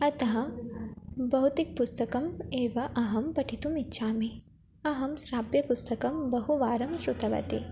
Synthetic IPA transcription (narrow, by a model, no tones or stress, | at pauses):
ɐt̪ɐɦɐ | bɐɦut̪ik̚pust̪ɐkɐmeːʋɐʔɐɦɐmpɐʈʰit̪umitːʃʰaːmi | ɐɦɐmsɾaːbjɐpust̪ɐkɐmbɐɦuʋaːɾɐmʃɾut̪ɐʋɐ̰t̪ḭ